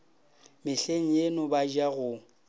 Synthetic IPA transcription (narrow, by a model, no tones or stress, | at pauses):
mɪɬeŋ̩jenʊbad͡ʒaɣʊ